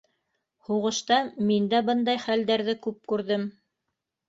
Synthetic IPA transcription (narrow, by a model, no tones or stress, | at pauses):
huʁɤ̆ʃt̪ɑmind̪æbɤnd̪ɑjχæld̪æɾðɘkʉp̚kʉɾðɘm